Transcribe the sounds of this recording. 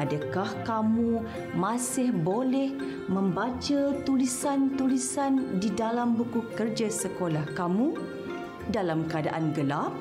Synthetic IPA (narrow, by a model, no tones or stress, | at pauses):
adakahkamũ | mãsɪhbolɛh | mə̃mbat͡ʃat̪ulisant̪ulisandidalambukukərd͡ʒasəkolahkamũ | dalamkəada̰ʔanɡəlap̚